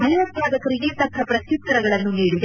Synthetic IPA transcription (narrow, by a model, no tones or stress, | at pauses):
mɐnɛʋɐt̪jaːd̪ɐkɐɾiɡit̪ɐkʰːɐpɾɐtut̪ːɐɾɐɡɐɭɐnːuniːɽid̪e